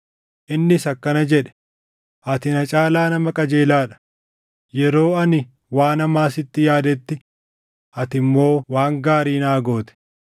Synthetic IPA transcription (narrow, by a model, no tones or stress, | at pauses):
ʔɪnːɪsɐkːɐnɐd͡ʒɛᶑɛ̥ | ʔɐt̪ɪnɐt͡ʃʼaːlaːnɐmɐkʼɐd͡ʒe̞ːlaːᶑɐ̥ | jɛɾo̞ːɐnɪ | waːnɐmaːsɪt̪ːɪjaːd̪ɛt̪ːɪ | ʔɐt̪ɪmːo̞ːwaːŋɡaːɾiːnaːɡo̞ːt̪ɛ̥